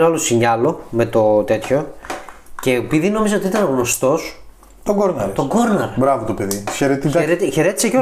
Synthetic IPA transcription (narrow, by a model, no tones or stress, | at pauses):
olosiɲɐlo̞me̞t̪o̞t̪e̞t̪ço̞ | cepiðino̞mizeot̪it̪ɐnɣno̞st̪o̞s | t̪oɡoɾnɐɾt̪oɡoɾnɐɾbɾɐvot̪opeðiçeɾet̪it̪ɐɾet̪eçe̞ɾe̞t̪iseceo